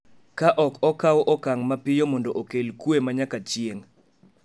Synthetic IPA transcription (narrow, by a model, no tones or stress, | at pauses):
kaʔɔkɔkawʔɔkaŋmapɪjomɔndoʔokelkwemaɲakat͡ʃjeŋ